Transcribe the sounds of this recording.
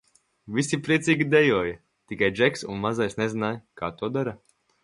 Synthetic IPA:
visipɾiɛsiːɡʲid̪ɛjuɔja | t̪ikajd͡ʒɛksunmazajsnɛzinaːjkaːt̪uɔd̪aɾa

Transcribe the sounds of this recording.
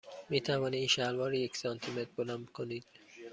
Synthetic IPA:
miːt̪ʰævɒːniiːnʃælvɒːɾijecsɒnt̪ʰimet̪̚bolænd̪kʰoniːd̪̥

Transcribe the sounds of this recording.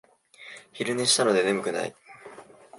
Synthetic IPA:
çiɾɯ̟neɕi̥t̪ano̞d̪e̞ne̞mɯ̟kɯ̟na̰ḭ

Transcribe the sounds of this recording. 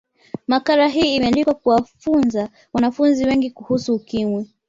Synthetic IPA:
makaɾaɦiːimɛanlikwakuwafunza | wanafunziwɛŋɡikuhusuːkimwi

